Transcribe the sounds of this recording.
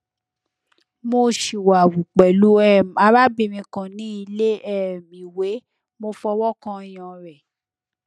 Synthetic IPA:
mo˧ʃi˨wa˨wu˨k͡pɛ˨lu˨˦ɛ˦˨a˧ba˦bi˦˧mĩ˧kã˨nĩ˨˦i˧le˦ɛ˦˨mĩ˨we˨˦ | mo˧fɔ˧wɔ˦kã˦˨j̃ã˨ɾɛ˨

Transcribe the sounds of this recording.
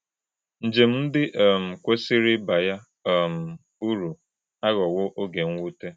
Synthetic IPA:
n̩˨d͡ʒe˨m̩˦m̩˦dɪ˦ʔɔ˨m̩˨kʷe˦si˦ɾɪ˦ba˨ja˦˨ | m̩˨ | u˦ɾu˨ | a˦ɣɔ˨wʊ˦ʔo˦ɡe˨ŋ̩ʷ˦u˦te˦

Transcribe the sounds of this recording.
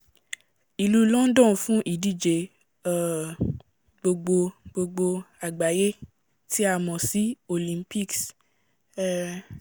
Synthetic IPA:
i˨lu˧lɔ̃˦n̩˦dɔ̃˦˨fũ˦ʔi˦˨di˦˨d͡ʒe˨˧˨ | ɡ͡bo˧ɡ͡bo˧ɡ͡bo˧ɡ͡bo˧a˨ɡ͡ba˨je˦ | ti˦a˦˧mɔ̃˨si˨˦o˨lĩ˨˦mpi˦˨ks

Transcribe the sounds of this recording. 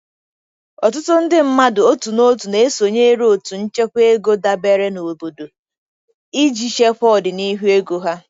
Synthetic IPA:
ɔ˨tʊ˦tʊ˦n̩˦dɪ˦m̩˦ma˦dʊ˨o˦tu˨no˦tu˨ne˨e˦so˨ɲe˦ɾo˨tu˨n̩˦t͡ʃe˦kʷe˦ɡo˦da˦be˦ɾe˦no˨bo˨do˨ | i˦d͡ʒi˨ʃe˦ɸʷɔ˦˨dɪ˨ni˦ɦu˦e˦ɡo˦ɦa˦

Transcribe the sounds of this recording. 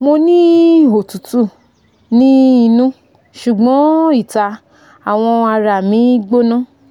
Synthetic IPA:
mo˧nĩ˦o˨tu˨tu˦˨ | nĩ˦i˧nũ˦ | ʃu˨ɡ͡bɔ̃˨˦i˦˨ta˧ | a˨w̃ɔ̃˧a˧ɾa˨mĩ˨˦ɡ͡bo˦nã˦˨

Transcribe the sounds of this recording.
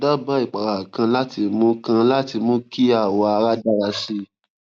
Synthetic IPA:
da˦ba˦i˦˨k͡pa˨ɾa˨kã˧la˦ti˧mũ˦kã˧la˦ti˧mũ˦ki˦a˦˨wɔ˧a˧ɾa˦da˦ɾa˧si˦

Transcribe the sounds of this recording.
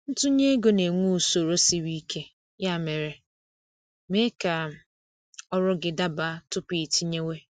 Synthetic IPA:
n̩˦tʊ˦ɲe˦ɡo˨ne˨ŋʷu˦˨so˨ɾo˦si˨ɾi˦ke˦ | ja˦˨me˨ɾe˨ | me˦ka˨ | ɔ˦ɾʊ˦ɡɪ˨da˦ba˨˦tʊ˦pi˨ti˦ɲe˦we˦

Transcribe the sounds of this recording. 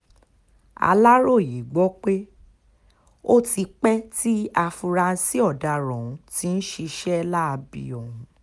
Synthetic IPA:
a̰˧la˦ɾo˦˨ji˨ɡ͡bɔ˨˦k͡pe˦ | o˦ti˧k͡pɛ˦ti˦a˧fu˧ɾa˧si˦ɔ˦˨da˨˧ɾɔ̃˨ũ˨˦ti˨˦ñ̩˦ʃi˧ʃɛ˦˧la˦a˧bḭ˨ɔ˨hũ˨˦

